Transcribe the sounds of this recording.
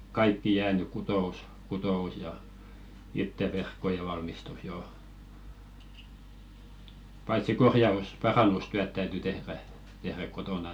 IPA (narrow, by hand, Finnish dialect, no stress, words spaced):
kɑikːi jæːny kutous kutous jɑ itːe ʋerkːoje ʋɑlmistus jo pɑitsi korjɑus pɑrɑnːustyæt tæyty tehræ tehræk̆ kotonɑ